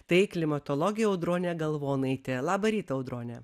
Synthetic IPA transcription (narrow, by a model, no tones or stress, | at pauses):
t̪ɐɪklʲɪmɐt̪oːlˠoːɡʲɪjɛɐʊd̪ɾoːnʲɛɡɐlˠʋoːnɐɪt̪ʲɪlˠɑːbɐɾʲiːt̪ɐɐʊd̪ɾoːnʲɛː